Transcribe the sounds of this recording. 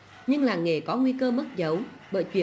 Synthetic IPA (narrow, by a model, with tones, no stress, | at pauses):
ɲɨ˧ŋlaː˨˩ŋe˨˩kɔ˨˦ŋwi˧kəː˧mə˦˥t̚zə˨˦wɓə̰ː˧˨jt͡ɕwḭ˧˨